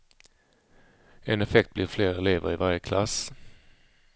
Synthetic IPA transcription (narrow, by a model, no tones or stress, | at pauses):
ɛnɛfɛkt̪̚b̥lɪɾfleːɾɛleːvə̰ɾɪvaɾjəkʰlas